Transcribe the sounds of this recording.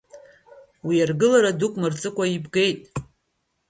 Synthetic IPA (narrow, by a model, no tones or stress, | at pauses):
wijarɡɨlaɾadukʷʼmɨrt͡sʼɨkʷʰʼaibɡe̞jtʼ